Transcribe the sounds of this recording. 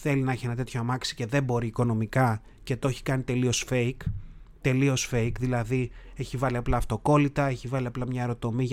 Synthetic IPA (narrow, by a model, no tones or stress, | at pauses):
θe̞linɐeçie̞nɐt̪e̞t̪ʰçoɐmɐksi̥ce̞ðe̞mbo̞ɾiːko̞no̞mikɐ | cet̪oeçi̥kɐnit̪e̞lio̞sfe̞ik | t̪e̞lio̞sfe̞ikðilɐðie̞çivɐliɐplɐːft̪o̞ko̞lit̪ɐe̞çivɐliɐplɐmɲɐeɾo̞t̪o̞mi